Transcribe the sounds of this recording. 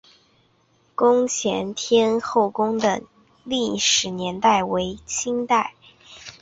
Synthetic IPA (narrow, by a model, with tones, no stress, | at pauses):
kʊ˥ŋt͡ɕʰjɛ̰˧˥nt̪ʰjɛ˥nxo˥˩ʊkʊ˥ŋd̪ə̰˨˩ | li˥˩ʂɻ̩˨˩njɛ˧˥nt̪a˥˩ɪwe˧˥ɪt͡ɕʰi˥ŋt̪a˥˩ɪ